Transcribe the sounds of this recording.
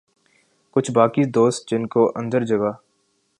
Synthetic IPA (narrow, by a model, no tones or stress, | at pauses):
kʊt͡ʃʰbaːkid̪oːst̪̚d͡ʒɪnkoʔɐ̃nd̪əɾd͡ʒɐɡaː